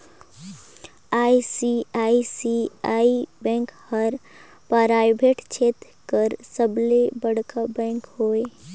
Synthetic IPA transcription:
aːisiaisiaibɛ̃ŋkhəɾ | paɾajbʱeʈt͡ʃʰet̪ | kəɾsəblebəɽkabɛ̃ŋkɦoe

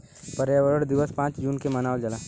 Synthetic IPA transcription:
pɐɾjaʋəɾəɽd̪ɪʋəspãːt͡ʃd͡ʒuːnkemɐnaːʋld͡ʒɐlaː

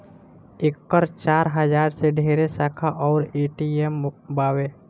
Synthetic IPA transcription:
ɪkːəɾt͡ʃaːɾɦəd͡ʒaːɾseɖʱeːɾesaːkʰaʔɔːɾeːʈiembaːweː

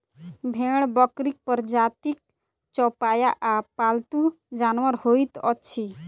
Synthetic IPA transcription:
bʱeɽ̃bɔkɾik̚pəɾd͡ʒat̪ik̚ | t͡ʃɔpajaʔapalt̪u | d͡ʒanʋəɾhoit̪ɔt͡ʃʰi

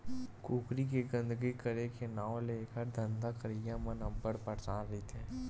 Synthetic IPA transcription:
kuːkɾikeɡə̃nd̪əɡikəɾekenãːw̃leːkəɾd̪ʱə̃nd̪akəɾijamənɐ̃mbəɾpɐɾt͡ʃaːnɾit̪ʰɛː

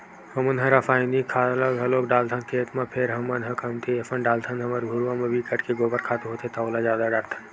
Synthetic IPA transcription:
hɐmənɦɐ̃ɾafaːɪnikʰaːləɡɦɐloːkɖaːlt̪ʰənkʰeːt̪mãpʰeɾɦɐmɐnɦɐ̃kʰənt̪ʰiɐfənɖaːlt̪ʰənɦɐməɾɡʱuɾʋãmẽbikəɽkeɡoːbəɾkʰaːt̪oɦoːt̪ʰet̪aoːlazjaːd̪aɖaːɾt̪ʰən

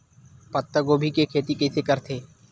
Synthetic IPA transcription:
pət̪ːəɡoːbʱikekʰeːt̪ikɪsekəɾt̪ʰeː

